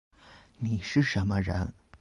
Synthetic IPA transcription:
ni˨˩ʂɻ̩˥˩ʂə˧˥nmə˧ɻə̰˧˥n

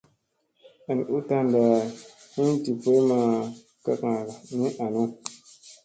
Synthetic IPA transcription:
a˨n˨u˦ta˦nda˨ | hi˦ti˨pe˦ma˨ | ka˦kã˨ɾa˨nĩ˦ʔa˨nu˦

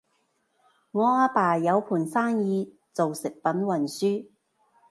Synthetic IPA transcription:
ŋɔː˨˧aː˧˥paː˨˩jɐ˨˧wpʰuː˨˩nsaː˥ŋjiː˨˧ | t͡so˨wsɪ˨k̚pɐ˨˥nwɐ˨˩nsyː˥

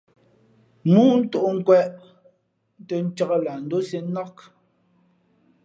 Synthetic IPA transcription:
mu˦n̩˦to˦˨ʔŋ̩˦˨kwɛ˦ʔ | n˦tɛ˨n̩˦t͡ʃa˦ɣə˦la˨n̩˨do˦se˦nɔ˦k

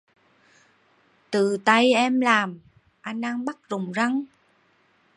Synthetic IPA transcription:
t̪ɨ˨˩t̪a˧jʔɛ˧mlaː˨˩m | ʔa˧jŋ̟ɗaː˧ŋɓa˦˥t̚zʊ˨˩ŋ͡mza˧ŋ

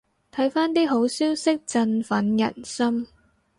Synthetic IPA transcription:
t̪ʰɐ˨˥jfaː˥nt̪iː˥ɦo˨˥wsiː˥wsɪ˥k̚t͡sɐ˧nfɐ˨˥njɐ̰˨˩nsɐ˥m

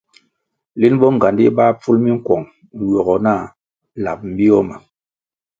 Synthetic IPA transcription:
li˦nɓɔ˦ŋ˨ɡa˨ndi˦ɓa˦p͡fu˦lmi˦ŋ̩˦kwɔ˨ŋ˨ | jɔ˨ɡɔ˨na˦˨ | la̰˨p̚m̩˦bi˦ɔ˦ma˨

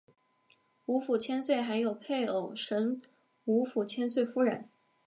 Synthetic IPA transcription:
u˧˥fu˨˩t͡ɕʰjɛ˥nswe˥˩ɪxa˧˥ɪjo˨˩ʊpʰe˥˩ɪo˨˩ʊʂə˧˥ŋ | u˧˥fu˨˩t͡ɕʰjɛ˥nswe˥˩ɪfu˥ɻə̰˧˥˦n

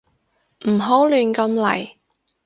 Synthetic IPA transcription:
m̩˨˩ɦo˨˥wlyː˨nkɐ˧mlɐ̰˨˩j

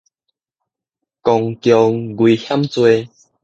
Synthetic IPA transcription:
kɔ˧ŋkjɔ˧ŋɡwi˨˧hja˦mt͡swe˧

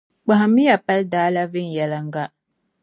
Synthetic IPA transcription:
k͡pa˨ɦa˨mi˦ja˨pa˦ldaː˨˦la˦vɪ˦n˨jɛ˨la˦ŋ̩˦ɡa˦

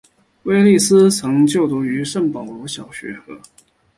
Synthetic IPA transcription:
we˥ɪli˥˩sɹ̩˥t͡sʰɤ˧˥ŋt͡ɕjo˥˩ʊt̪u˧˥y˧˥ʂə˥˩npɑ˨˩ʊlwɔ˧˥ɕjɑ˨˩ʊɕɥɛ̰˧˥xɤ̰˧˥˦

